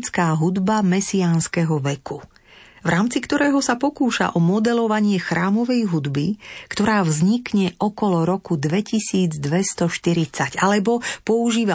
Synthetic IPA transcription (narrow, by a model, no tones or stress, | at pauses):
t͡skaːɦud̪bamɛsiaːnskɛɦɔʋɛku | vɾʔaːmt͡sikt̪ɔɾɛːɦɔsapɔkuːʃa̰ʔɔmɔd̪ɛlɔʋaɲɪɛxɾaːmɔʋɛjɦud̪bikt̪ɔɾaːvzɲikɲɛʔɔkɔlɔɾɔkud̪ʋɛcisiːd͡zd̪ʋɛst̪ɔʃt̪iɾit͡sacalɛbɔpɔuʒiːʋa